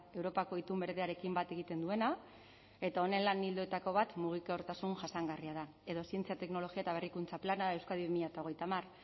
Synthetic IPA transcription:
e̞wɾo̞pako̞it̪umbe̞ɾðeaɾe̞kimbat̪e̞ɣit̪e̞nd̪ue̞na | e̞t̪ao̞ne̞nlanild̪uet̪ako̞βat̪muɣ̞ikao̞ɾt̪asunʝasaŋɡariaða | e̞ðo̞sie̞nt͡siat̪e̞kno̞lo̞ɣiaet̪aβe̞rikunt͡saplanaae̞wskaðiβimiʎat̪aoɣ̞e̞jt̪amar

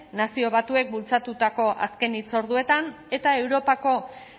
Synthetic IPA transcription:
nasio̞β̞at̪ue̞k̚bult͡sat̪ut̪ako̞ʔa̰ske̞nit͡so̞ɾðue̞t̪an | e̞t̪ae̞wɾo̞pako̞

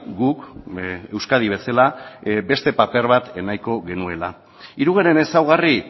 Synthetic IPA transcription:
ɡuke̞wskað̞iβ̞e̞salabe̞st̪e̞pape̞ɾβat̪e̞najko̞ɣe̞nue̞la | iɾuɣ̞aɾe̞ne̞sawɣ̞ari

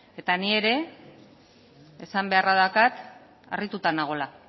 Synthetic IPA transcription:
e̞t̪anie̞ɾe̞ | esambe̞araðakat̪ | a̰rit̪ut̪anaɣ̞o̞la

